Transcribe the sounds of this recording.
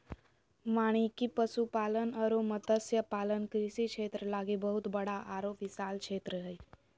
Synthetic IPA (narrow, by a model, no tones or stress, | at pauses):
maɽ̃ikipəsupalənəɾomət̪əsjəpalənkɾisikʃʰet̪ɾəlaɡebəɦut̪bəɽaʔaɾopisalkt͡ʃʰet̪ɾəɦəj